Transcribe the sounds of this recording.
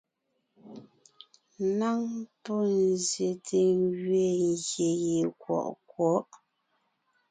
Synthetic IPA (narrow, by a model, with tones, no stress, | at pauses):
na˦ŋpɔ˦˨n˨zje˨tʰe˨ŋɡɥe˦˨ŋ˨ɣje˨je˨kwɔ̰˨ʔkwɔ˨˦ʔ